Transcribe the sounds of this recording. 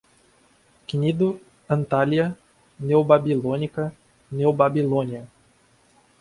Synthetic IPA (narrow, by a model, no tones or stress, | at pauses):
knʲid̪u | ɐnt̪alʲija | nʲewbabʲilˠonʲikɐ | nʲɛwbabʲilˠonʲija